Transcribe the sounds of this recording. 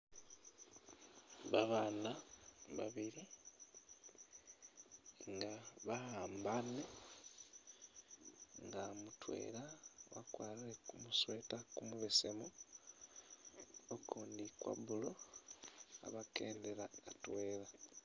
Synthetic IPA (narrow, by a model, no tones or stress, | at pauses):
βaβaːnaβa̰βiɾi | ŋɡaβahaːmbane | ŋɡamutwe̞̰ːlawa̰kwaːlilekumuswe̞ːtakumuβesemu | okuːndikwa̰βulo̞ | a̰βake̞ːnde̞ɾaatwe̞ːla